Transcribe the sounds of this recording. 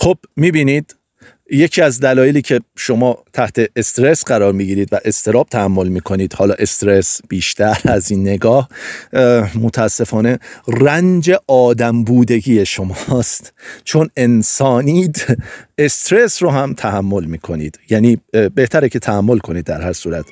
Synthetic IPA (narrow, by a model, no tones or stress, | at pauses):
xob̥miːbiːniːd̪̥ | je̞cʰiːæzd̪ælɒːjeliːcʰe̞ʃo̞mɒːt̪ʰæht̪ʰe̞ːst̪ɾesɢæɾɒːɾmiɟiːɾiːd̪væʔe̞st̪ʰe̞ɾɒːb̥̚t̪ʰæhæmːo̞lmiːkʰo̞niːd̪̥hɒːlɒːʔe̞st̪ɾesb̥iːʃt̪ʰæɾæziːnːe̞ɡɒːh | mot̪ʰææsːe̞fɒːne̞rænd͡ʒe̞ʔɒːd̪æmbuːd̪e̞ɡiːjeʃo̞mɒst̪t͡ʃʰo̞ne̞nsɒːnid̪e̞st̪ɾesɾoɦæmt̪ʰæhæmːo̞lmiːkʰo̞nḭːd̪̥jæːniːbe̞ht̪ʰæɾecʰe̞t̪ʰæhæmːo̞lkʰo̞niːd̪ːæɾhæɾsuːɾæt̪